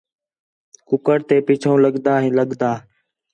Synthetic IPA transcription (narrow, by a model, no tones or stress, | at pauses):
kʊkəɾt̪eːpiːt͡ʃʰõːləɠd̪aːɦĩːləɠd̪aː